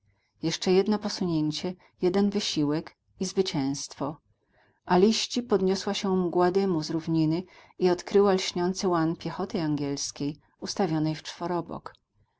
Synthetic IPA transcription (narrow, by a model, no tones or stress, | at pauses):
jɛʂt͡ʂɛjɛd̪nɔpɔsuɲeɲt͡ɕɛ | jɛd̪ɛnvɘɕiwɛk | izvɘt͡ɕɛ̃w̃st̪fɔ | ʔalʲiɕt͡ɕipɔd̪ɲɔswaɕɛmɡwad̪ɛmuzɾuvɲinɘiɔt̪kɾɘwalɕɲɔnt̪sɘwanpʲjɛxɔt̪ɘaŋɡʲɛlskʲej | ust̪avʲjɔnɛjft͡ʂfɔɾɔbɔ̰k